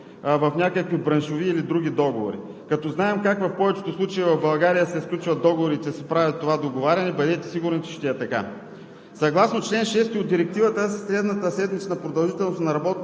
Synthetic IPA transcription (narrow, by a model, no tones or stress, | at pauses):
vɐfnʲakəkvibɾɐnʃoviːlid̪ɾuɡʲid̪ɔɡovo̰ɾḭ | kɐt̪ɔznaɛmkakvɐfpɔvɛt͡ʃɛ̥t̪oslˠut͡ʃɐivɐvbɐlˠɡaɾijəsɛfklʲut͡ʃvɐt̪̚d̪ɔɡovoɾit̪ɛsɛpɾavʲɐt̪ːovad̪oɡovaɾʲɐnɛbɐd̪ɛt̪ɛ̥siɡʊɾnsi̥ʃt̪ɛɛt̪ɐka̰ | sɐɡlˠasnot͡ʃlɛnʃɛst̪iod̪̚d̪iɾɛk̚t̪ivət̪əssɾɛd̪nət̪əsɛd̪mit͡ʃ̪ənɐpɾod̪ɐlˠʒit̪ɛlˠnosnɐɾɐbɔt̪